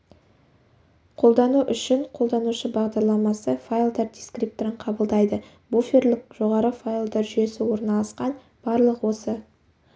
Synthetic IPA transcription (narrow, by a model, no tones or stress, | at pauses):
qʰo̞lˠd̪ɑnuʔʏʃɪɴqʰo̞lˠd̪ɑnuʃəbɑʁd̪ɑɾlˠɑmɑsəfajlˠd̪erd̪iskrip̚t̪oɾɪɴqʰɑbəlˠd̪ɑjd̪ə | bufʲerlʲɪk̚ʒo̞ʁɑɾəfajlˠd̪eɾʒʏje̞sɪwo̞ɾnɑlˠɑsqɑn | b̥ɑɾlˠəqwo̞sə